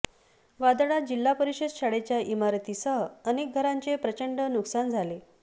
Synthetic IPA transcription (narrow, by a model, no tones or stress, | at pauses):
ʋad̪ɽad͡ʑilːapəɾiɕed̪ɕaɽet͡ɕjaʔimaɾt̪isəənek̚ɡʱəɾaɲt͡sepɾət͡ɕəɳɖənuksand͡zʱale